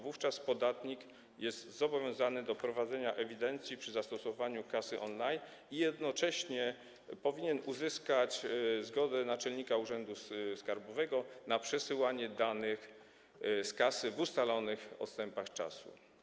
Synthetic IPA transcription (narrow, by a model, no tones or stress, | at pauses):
vuft͡ʂaspɔd̪at̪ɲik | jɛst̪zɔbɔvʲjɔ̃w̃zanɘd̪ɔpɾɔvad̪zɛɲaʔɛvʲid̪ɛnt̪sʲjipʂɘzast̪ɔsɔvaɲukasɘʔɔnlajn | ijɛd̪nɔt͡ʂɛɕɲɛ | pɔvʲiɲɛnuzɘskat͡ɕzɡɔd̪ɛnat͡ʂɛlɲikauʐɛnd̪uskaɾbɔvɛɡɔnapʂɛsɘwaɲɛd̪anɘx | skasɘvust̪alɔnɘxɔ̰t̪st̪ɛmpaxt͡ʂa̰sṵ